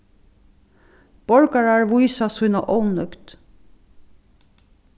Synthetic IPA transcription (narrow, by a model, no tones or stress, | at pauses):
b̥ɔɹkɑɹæːɹʋuɪsɑsʉnɑ̰ʔɔʊnœkt̪